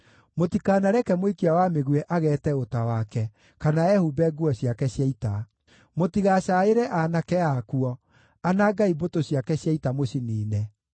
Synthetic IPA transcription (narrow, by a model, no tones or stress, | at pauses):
motikaːnaɾɛkɛmwekiawameɣwɛʔaɣɛːtɛotawakɛ | kanaɛhubɛɡuɔɕjakɛɕjaita | motiɣaɕaeɾɛʔanakɛakuɔ | anaːɡaibotoɕjakɛɕjaitamoɕiniːnɛ